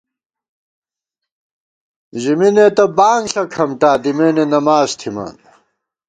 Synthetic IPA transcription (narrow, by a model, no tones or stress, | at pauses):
ʑiminet̪ɐbaːŋɬɐkʰɐmʈaːd̪imeːnenɐmaːzt̪ʰima̰ːn